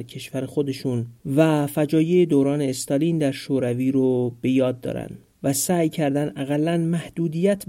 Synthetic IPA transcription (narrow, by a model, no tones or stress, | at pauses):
ɾcʰe̞ʃvæɾexo̞d̪e̞ʃuːnvæfæd͡ʒɒːjeed̪owɾɒːne̞ːst̪ɒliːnd̪æɾʃoːɾæviːɾob̥e̞jɒːd̪ːɒ̰ːɾæ̰nd̪ | væsæːjcʰæɾd̪ænæɣælːænmæhd̪̥uːd̪ijæt̪ʰ